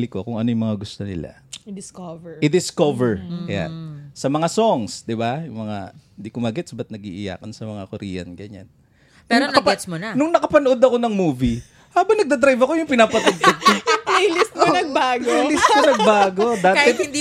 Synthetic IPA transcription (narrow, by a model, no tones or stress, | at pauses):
lɪkokʊŋɐno̞jʊŋmɐŋaɡʊst̪onɪ̰la̰ | d̪ɪskovɛɪd̪ɪskovɛɹkɐja̰nsɐmɐŋasoŋsd̪ɪbajʊŋmɐŋa̰ɪnd̪ikʊmaɡɛt̪sbɐt̪nɐɡḭːʔɪ̰ja̰ːkɐnsɐmɐŋakʊɾḭːjɐ̰nɡɐɲa̰nː | ʊɾŋnɐnkɐp̪smonɐnʊŋnɐkɐpɐnoʔo̞d̪ɐko̞nɐŋmuːvi | haːbɐŋnɐɡ̚d̪ɐd̪ɾajvɐko̞jʊŋpɪnaːpɐt̪ʊɡ̚t̪ɐd̪̚t̪ɐplelɪst̪̚monɐɡ̚baːɡolɪst̪monɐɡ̚baːɡo̞d̪aːtɪd̪n